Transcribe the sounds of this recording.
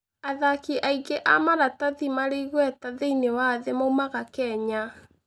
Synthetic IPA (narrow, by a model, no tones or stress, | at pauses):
aðakiʔaiɡeʔamaɾataðimaɾeiɣwɛtaðeinewaðemoumaɣakɛɲa